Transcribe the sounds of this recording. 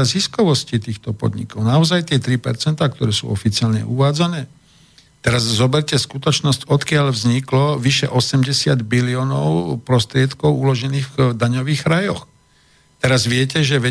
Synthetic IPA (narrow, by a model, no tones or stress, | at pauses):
aziskɔʋɔscit̪iːxt̪ɔpɔ̰d̪ɲḭkɔʊnaɔzajt̪ɪɛt̪ɾipɛ̰ɾt͡sɛnt̪aːk̚t̪ɔɾɛːsṵːɔ̰fit͡sɪaːlɲɛ̰ʔuʋaːd͡zanɛː | t̪ɛɾazzɔbɛɾcɛskut̪ɔt͡ʃnɔscɔt̪kɪaʎvzɲiklɔʋiʃɛ̰ʔɔsɛmɟɛsɪad̪biliɔːnɔ̰ʊpɾɔst̪ɾɪɛt̪kɔʊulɔʒɛniːɣd̪aɲɔʋiːɣɾajɔ̰x | t̪ɛɾazʋɪɛcɛʒɛʋɛ